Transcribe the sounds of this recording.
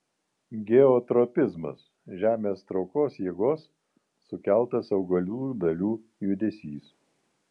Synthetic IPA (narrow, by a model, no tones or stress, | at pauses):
ɡʲɛɔt̪ɾɔpʲɪzmɐ̰s | ʒʲæːmʲeːst̪ɾɒʊkoːsjeːɡoːsː | ʊkʲæˑlˠt̪ɐsɐʊɡɐlʲuːd̪ɐlʲuː | jʊd̪ʲesʲiːs